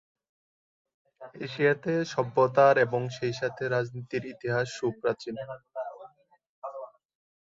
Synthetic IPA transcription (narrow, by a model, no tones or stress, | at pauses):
ḛʃijat̪eʃɔbːot̪aɾeboŋʃejʃat̪ʰeɾad͡ʑnit̪iɾit̪iɦaʃːupɾat͡ɕin